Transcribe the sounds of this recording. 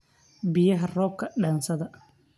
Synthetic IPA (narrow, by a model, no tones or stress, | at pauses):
bɪjɐɦɐrɔːb̚kʰɐɗɐːnsɐðɐ